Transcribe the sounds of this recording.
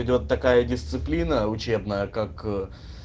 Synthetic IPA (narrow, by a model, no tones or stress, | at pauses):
ɪdʲo̞t̪ːɐkajədʲɪst̪sɨplʲinəʊt͡ɕe̞bnəjəkak